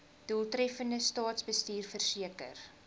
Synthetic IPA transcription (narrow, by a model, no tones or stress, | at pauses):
d̥uːlˠtrɛfəndəstɑːtsbəstiːrfərsiəkə̰r